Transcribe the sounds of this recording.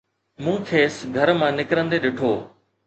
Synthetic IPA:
mũːkʰeːsɡʱɐɾmãːnɪkɾə̃nd̪eɗɪʈʰoː

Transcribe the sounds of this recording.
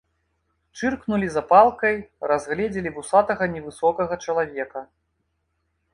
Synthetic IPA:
t͡ʂɨrknulʲizapalˠkɐjrazɣlʲɛd͡zʲɛlʲivusat̪ɐɣɐnʲɛvɨsɔkɐɣɐt͡ʂɐlˠavʲɛkɐ

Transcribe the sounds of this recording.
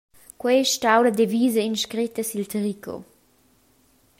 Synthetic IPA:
kwɛʃtawlad̪eviːzɐinʃkɾit̪əsilt̪ɾikʰo̰

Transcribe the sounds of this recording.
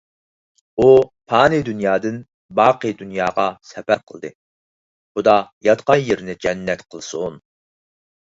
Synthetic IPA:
upʰɑːnɨd̪unjɑːd̪ɨn | bɑːqɨd̪unjɑːʁɑsɛpæɾqʰəlˠd̪ɨ | χud̪ɑjɑt̪qʰɑnjeɾnɪd͡ʒɛnːɛt̪qʰəlˠsun

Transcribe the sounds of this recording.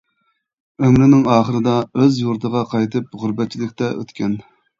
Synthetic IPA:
ømɾɪnɪŋɑːχəɾɨd̪ɑøzjuɾt̪əʁɑqʰɑjt̪ʰɨp̚ʁʊɾbɛt̪̚t͡ʃʰilɪkʲt̪ɛʔø̰t̪kʲʰɛn

